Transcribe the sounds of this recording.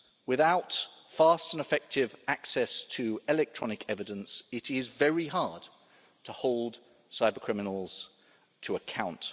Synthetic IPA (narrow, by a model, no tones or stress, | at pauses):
wɪðaʊtfɑˑstə̃nəfɛk̚tʰɪvaksɛstʰəɪlɛk̚tʰɹ̥ɒnɪkʰɛvɪdə̃nsɪtɪzvɛɹiɦɑːd̥̚ | tʰəhɒʊlˠd̥ | saɪbəkʰɹ̥ɪmɪnəl̩ˠz̥ | tʰəəkʰãʊ̃nt